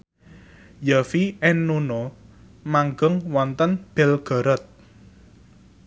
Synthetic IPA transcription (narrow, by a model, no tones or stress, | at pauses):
jafiɛnːuno | maŋɡəŋwɔnt̪ənb̥ɛlɡ̥ɔ̤ɾɔt̪̚